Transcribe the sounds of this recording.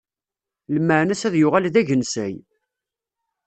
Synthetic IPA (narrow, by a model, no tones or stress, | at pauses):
lmːəʕnæsæðjʊʁalðæʝənsæj